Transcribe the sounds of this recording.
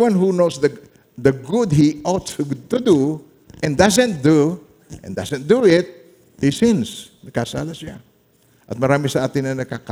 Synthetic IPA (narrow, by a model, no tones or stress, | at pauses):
wãnɦunowsd̪ɐ | d̪ɐɡʊd̪̚hiʔɔt̪ut̪ud̪u | ʔɛ̃nd̪asɛ̃nt̪̚d̪u | ʔɛ̰̃nd̪asɛ̃nt̚d̪uɪt̪̚ | hisɪ̃nsnɐɡ̚kasa̰ːlasɪa | ʔɐt̪̚mɐɾaːmɪsɐʔaːt̪ɪnɐnɐɡ̚kaka